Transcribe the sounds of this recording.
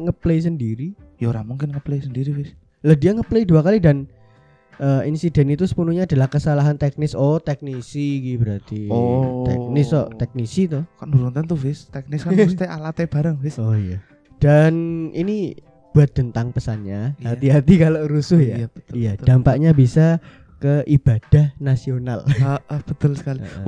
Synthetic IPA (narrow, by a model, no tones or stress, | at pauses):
ŋəpleis̬əndiɾi | jaɾamuŋkɪnŋəpleisəndiɾivɪs | ləhdiaŋəpleiduakalidan | ʔəinsidɛnit̪usə̥punuɲaːdalahkəsalaɦant̪ɛk̚nɪsɔt̪ɛk̚nisiɡibəɾat̪iɔt̪ɛ̰k̚nɪsɔʔt̪ɛk̚nisit̪ʊhkanbəɾunt̪ɛnt̪ʊvɪst̪ɛk̚nɪskaust̪aalat̪eb̥aɾəŋvɪsoija | d̥anini | b̥uat̪̚b̥ənt̪aŋpəsanɲaɦat̪iɦat̪ikaloʔɾusʊhjḁət̪ijad̥ampakɲabisa | kəʔib̥ad̥ahnasiona̰ləʔəhb̥ət̪ʊlsə̥kaliə̰ʔ